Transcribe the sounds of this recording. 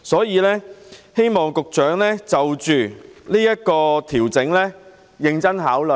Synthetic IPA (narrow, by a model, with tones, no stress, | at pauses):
sɔː˨˥jiː˨˧lɛː˥he˥jmɔː˨˩ŋkʊ˨k̚t͡ʃœː˨˥ŋlɛː˥t͡sɐ˨wt͡ʃyː˨˩liː˥jɐ˥t̚kɔː˧t̪ʰiː˨˩wt͡sɪ˨˥ŋlɛː˥ | jɪ˧ŋt͡sɐ˥nhaː˨˥wlɵ˨˩